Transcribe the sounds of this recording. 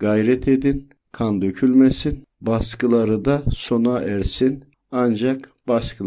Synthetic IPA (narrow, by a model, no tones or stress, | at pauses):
ɡ̥ajɾɛt̪ʰed̪in | kʰand̪øcʰylʲmesin | baskɯlˠaɾɯd̪aso̞naʔæɾsin | and͡ʒakb̥askɯ